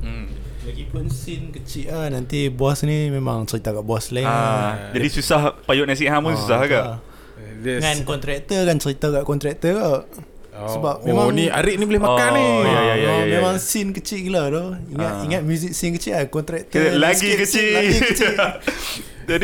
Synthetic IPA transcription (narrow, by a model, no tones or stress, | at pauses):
laɡipʊnsɪnkət͡ʃiʔahnant̪iboasnimema̰ŋt͡ʃəɾit̪akaʔbaslad͡ʒadisusahpajʊʔnas̬iʔhamʊns̬usaɦɡaʔ | ŋankɔnt̪ɾɛk̚t̪əkant͡ʃəɾit̪akaʔkɔnt̪ɾɛk̚t̪əkaʔ | səbap̚memãnia̰ɾɪʔnibolɪhmakaniaaajmemãŋsɪnkət͡ʃiʔkəladoiŋat̪iŋat̪̚mjuzɪk̚sɪnkət͡ʃiʔahkɔnt̪ɾɛk̚t̪laɡikət͡ʃit͡ʃ | d͡ʒadi